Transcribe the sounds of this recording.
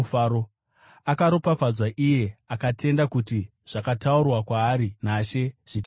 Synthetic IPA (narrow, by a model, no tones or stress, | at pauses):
faɾo | akaɾopafad͡zwaʔije̞akatʰe̞ndakuti | ʐ̥akataurwakwaːɾinaʃe̞ʐ̥i